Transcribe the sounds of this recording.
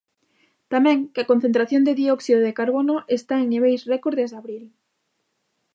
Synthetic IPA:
t̪amɛ̃ŋkeakon̟θent̪ɾaθjond̪eðiɔksiðoðekaɾβonoʔest̪aeŋniβ̞ejsrekoɾðezðaβɾil

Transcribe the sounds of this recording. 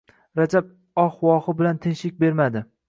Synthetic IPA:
ɾad͡ʒab̚ | ɒhwɒχɪbɪlant̪ʰɪnʃlɪk̚ʲbe̞ɾmad̪ɪ

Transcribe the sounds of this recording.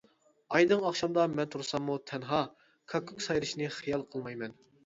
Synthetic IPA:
ɑjd̪ɨŋɑχʃɑmd̪ɑmɛnt̪ʰuɾsɑmːut̪ʰɛnɦɑ | kʰɑkʰukʲsɑjɾɨʃnɨχijɑlˠqʰəlˠmɑjmɛn

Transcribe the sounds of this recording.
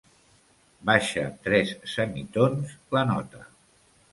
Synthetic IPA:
baʃə̰t̪ɾɛsːəmit̪onslənɔ̰t̪ə

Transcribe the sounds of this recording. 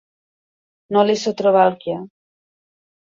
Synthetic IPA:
nolesot̪ɾoβalkja

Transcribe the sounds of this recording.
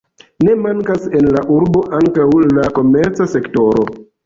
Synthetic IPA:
ne̞maŋkase̞nlaʔuɾbo̞ʔaŋkawlako̞me̞ɾt͡sase̞kto̞ɾo̞̰

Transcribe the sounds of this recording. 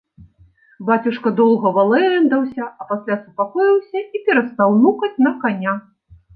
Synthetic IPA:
bat͡sʲuʂkɐd̪ɔlˠɣɐvalˠɛnd̪ɐwsʲɐʔɐpasʲlʲasupakɔjiwsʲɐipʲɛɾɐst̪awnukɐt͡sʲnɐkanʲa

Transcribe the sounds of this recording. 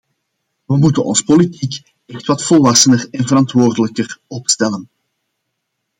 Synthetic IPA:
ʋəmutənɔ̰nspolitik | ɛxtʋɑtfɔlˠʋɑsənərɛnvəɾɑntʋoːrdələkərɔpstɛlən

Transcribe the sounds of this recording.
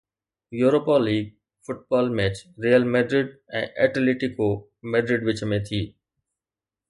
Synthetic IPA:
juːɾoːpɔːlːiːɡ̚ | fʊʈ̚bɔːlmɛːt͡ɕɾiːəlmɛːɖɾɪɖɛ̰̃ːʔɛʈleːʈɪko | mɛːɖɾɪɖʋɪt͡ʃmẽt̪ʰiː

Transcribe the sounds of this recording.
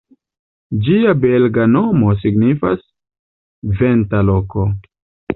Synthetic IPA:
d͡ʒiabelɡano̞mo̞s̬iɡnifa̰s | ve̞ntalo̞ko̞

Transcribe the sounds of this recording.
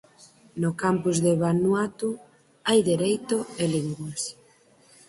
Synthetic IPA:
nʊkampuzðeβanwat̪u | ajðeɾejt̪ʊeliŋɡwas

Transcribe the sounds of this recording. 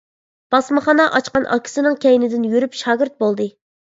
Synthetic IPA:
b̥ɑsmɨχɑnɑʔɑt͡ʃqɑnʔɑ̰kʲʰi̥sɪnɨŋkʲɛjnɪd̪ɪnjyɾypʃɑːɡʲɪɾt̪̚bolˠd̪ɨ

